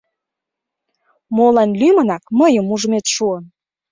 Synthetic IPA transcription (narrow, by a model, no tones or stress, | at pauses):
molɑnlymənɑk̚məjəmuʒəmet̪ʃuən